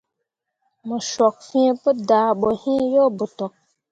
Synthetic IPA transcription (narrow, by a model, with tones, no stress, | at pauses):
mə˨ʃɔ˨k̚fĩ˦pə˦da˨ɓo˨hĩ˦jo˦bə˨tɔ˨k̚